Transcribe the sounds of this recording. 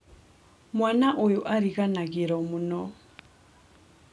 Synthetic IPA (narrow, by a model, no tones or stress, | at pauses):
mwanaʔojuʔaɾikanakiɾɔmunɔ